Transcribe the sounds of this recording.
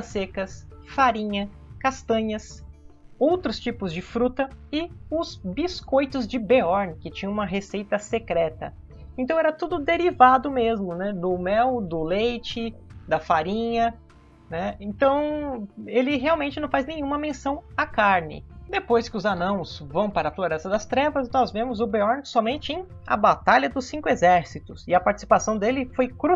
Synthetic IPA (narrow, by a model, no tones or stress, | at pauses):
ɐsekɐsfaɾĩɲɐ | kast̪ɐ̃ɲɐs | owt̪ɾʊst͡ʃipʊzd͡ʒɪfɾut̪ɐɪʊzbiskojt̪ʊzd͡ʒɪbeɔɾnɪkɪt͡ʃĩɲɐ̃ũmɐɦesejt̪ɐsekɾɛt̪ɐ̰ | ẽnt̪ɐ̃w̃ɛɾɐt̪ud̪ʊd̪eɾivad̪ʊmezmʊnɛd̪ʊmɛwd̪ʊlejt͡ʃɪd̪ɐfaɾĩɲɐ | nɛẽnt̪ɐ̃w̃ | elɪɦeawmẽnt͡ʃɪnɐ̃w̃faznẽjɲ̃ũmɐmẽsɐ̃w̃akaɾnɪ̰d̪epojskɪʊzanɐ̃w̃svɐ̃w̃paɾɐfloɾɛst̪ɐd̪ɐst̪ɾɛvɐznɔzvẽmʊzʊbeɔɾnsɔmẽnt͡ʃɪẽj̃ | ɐ̰bat̪aʎɐd̪ʊsːĩŋkʊezɛɾsit̪ʊsɪɐpaɾt͡ʃi̥si̥pasɐ̃w̃d̪elɪfojkɾu